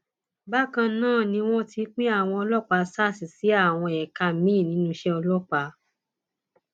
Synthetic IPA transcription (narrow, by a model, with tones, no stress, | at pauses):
ba˦kã˧nãː˦˨nĩ˧w̃ɔ̃˦ti˧˦k͡pĩ˦a˦˨w̃ɔ̃˧ɔ˧lɔ˦k͡pa˧sa˦˨si˨si˨˦a˦˨w̃ɔ̃˧ɛ˨ka˧mĩː˦˨nĩ˨˦nũ˧˦ʃɛ˦ɔ˧lɔ˦k͡pa˧